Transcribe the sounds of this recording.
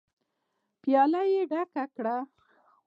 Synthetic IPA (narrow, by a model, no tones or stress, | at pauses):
pjɑlajeɖakakɽa